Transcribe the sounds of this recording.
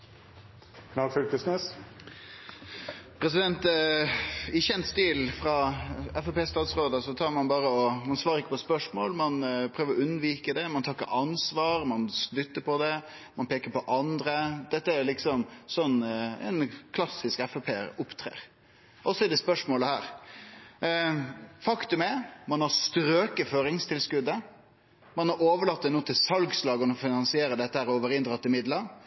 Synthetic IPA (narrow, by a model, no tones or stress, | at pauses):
kʰnɑlfʏlk̪əsnes | pʰɾɛs̬ɪd̪ɛnt̪ | ɪçːəɛnst̪iːlfɾɑɛfɛpeːst̪ɑːt̪sɾoːd̪əsɔt̪ʰɑːɾmɑnbɑːɾəɔmɑnsʋɑːɾəɾɪkːəpɔspœʂmoːlmɑnpʰɾøːʋəɾɔʉnːʋiːkəd̪ɛmɑnt̪ʰɑːɪkːə̰ʔɑnsʋɑːɾmɑnsʏt̪ːəpʰɔd̪ɛ | mɑnpeːkəɾpɔʔɑnd̪ɾəd̪̥ɛt̪ːəæɾlɪksɔmsɔnːɛ̰ɪnkʰlɑsɪskɛfɔpʰeːʊpt̪ʰɾḛːɾ | ʔɔsːɔɛd̪ɛspœʂmoːləhæːɾ | fɑkt̪ʉmɛmɑnhɑɾst̪ɾøːkəføːɾɪŋst̪ʰɪlskʉd̪ːə | mɑnɑɾoːʋəɭɑt̪̚ːd̪ɛnuːt̪ʰɪlsɑlɡslɑːɡənəɔfɪnɑnsɪeːɾəd̪ɛt̪ːəhæːɾɔːʋəɾɪnd̪ɾɑt̪ːɪmɪd̪lə